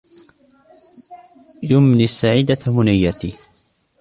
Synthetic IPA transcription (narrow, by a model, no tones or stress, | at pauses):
jʊmnisːaʕiːd̪amʊnajːat̪i